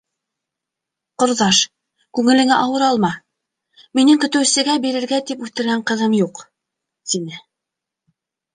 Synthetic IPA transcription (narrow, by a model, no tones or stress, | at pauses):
qŏɾðɑʃ | kʉŋɘ̆lɘ̆ŋæʔɑwɤ̆ɾɑlˠmɑ | minɘŋkɵ̆t̪ɘ̆wsɘ̆ɡæbiɾɘ̆ɾɡæt̪ipʉθt̪ɘ̆ɾɡæɴqɤ̆ðɤmjuq | t̪inɘ